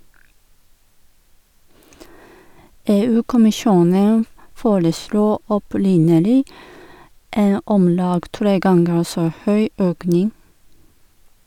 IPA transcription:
ˈeːˌʉːkʊmɪˌʃuːnən ˈfoːɾəˌsluː ɔˈpɾɪnəlɪ ˈeːn ˈɔmˌlɑːɡ ˈtɾeː ˈɡɑŋɡəɾ ˈsoː ˈhœʏ ˈøːknɪŋ

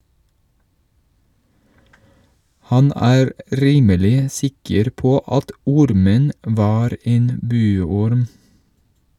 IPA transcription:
ˈhɑn ˈæːɾ ˈʔɾiːməlɪ ˈsɪkəɾ ˈpoː ˈʔɑt ˈɔɾmən ˈʔʋɑːɾ ˈʔeːn ˈbʉːɔɾm

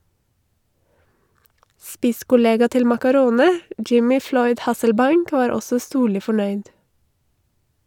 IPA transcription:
ˈspɪskʊˌleːɡɑ ˈtɪl mɑkɑˈɾoːnə ˈjɪmɪ ˈflɔʏd ˈhɑsəlˌbɑɪŋk ˈʋɑːɾ ˈɔsə ˈstuːɭɪ fɔˈɳœʏd

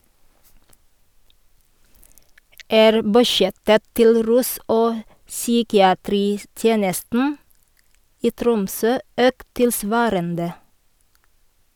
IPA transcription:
ˈæːɾ bʉˈʃjɛtə ˈtɪl ˈɾʉːs ˈoː ˈsyːkɪɑˌtɾiːˌtjeːnəstn̩ ˈiː ˈtɾʊmˌsøː ˈøːkt tɪlˈsʋɑːɾəndə

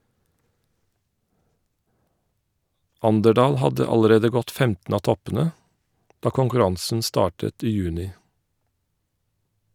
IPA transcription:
ˈʔɑndəˌɖɑːl ˈhɑdə ˈɑləˌɾeːdə ˈɡɔt ˈfɛmtn̩ ˈɑː ˈtɔpn̩ə ˈdɑː kʊŋkʉˈɾɑŋsn̩ ˈstɑːʈət ˈiː ˈjʉːnɪ

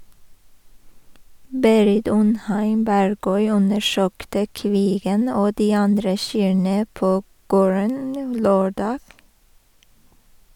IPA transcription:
ˈbeːɾɪt ˈʉnˌhæɪm ˈbæɾˌɡœʏ ˈʉnəˌʃøːktə ˈkʋiːɡən ˈoː ˈdiː ˈɑndɾə ˈʃyːɳə ˈpoː ˈɡoːɹən ˈløːˌɖɑːɡ

